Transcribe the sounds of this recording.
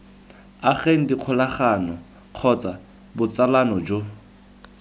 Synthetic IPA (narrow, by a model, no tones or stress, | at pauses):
aχeŋ̩diq͡χʰʊlaχanɔ | q͡χʰɔt͡sa | bʊt͡salanɔd͡ʒo